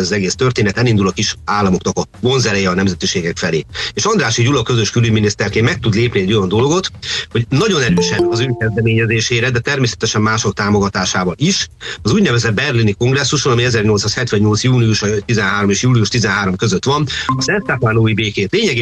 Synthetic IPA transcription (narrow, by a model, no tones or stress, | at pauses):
ɛzɒzɛɡeːst̪ørt̪eːnɛt̪ɛlind̪ulɒkiʃaːlːɒmo̞knɒkɒbo̞nzɛɾɛjɛɒnɛmzɛt̪iʃeːɡɛkfɛleːeːʃɒnd̪raːʃiɟulɒkø̞zøʃkylyɟminist̪ɛrkeːmmɛk̚t̪ud̪leːpniɛɟːo̞jɒnd̪o̞lɡo̞t̪ho̞ɟnɒɟo̞nɛɾøːʃɛnɒzøːkɛzd̪ɛmeːɲɛzeːʃeːɾɛd̪ɛt̪ɛrmeːsɛ̥t̪ɛʃɛmːaːʃokt̪aːmo̞ɡɒt̪aːʃaːvɒlʔiʃɒzuːɟnɛvɛzɛd̪̚bɛrliniko̞ŋɡrɛsːuʃonɒmiɛzɛrɲo̞lt̪saːshɛt̪ʋɛɲɲo̞lt̪sjuːniuʃɒt̪izɛnɦaːɾo̞meːʃjuːlijuʃt̪izɛnɦaːɾo̞mkøzøt̪ʋɒnɒsɛnssaːpaːnoːibeːkeːt̪leːɲɛɡ